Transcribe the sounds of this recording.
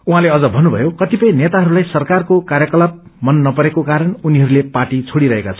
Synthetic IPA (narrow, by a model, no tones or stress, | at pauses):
uɦãleʌd͡zʌbʱʌnːubʱʌ̰jokʌt̪ipʌj̃net̪aɦʌɾulajsʌrkarkokarjʌkʌlap̚ | mʌnːʌpʌɾekokaɾʌnuniɦʌɾulepaʈit͡sʰoɽiɾʌɦekat͡sʰʌ